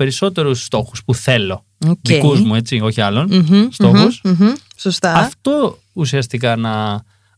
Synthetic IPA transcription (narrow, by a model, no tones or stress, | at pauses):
pe̞ɾiso̞t̪e̞ɾusːt̪o̞xuspuθe̞lo̞ | oðikuzmue̞t͡sio̞çiɐlo̞n̩so̞xus̩sost̪ɐɐft̪o̞ | usiɐst̪ikɐnɐ